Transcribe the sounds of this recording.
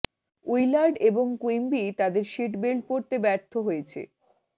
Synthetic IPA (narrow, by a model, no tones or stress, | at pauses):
ujlaɾɖeboŋkuimbit̪ad̪eɾʃiʈbelpoɾt̪ebɛɾt̪ʰːoɦojet͡ɕʰḛ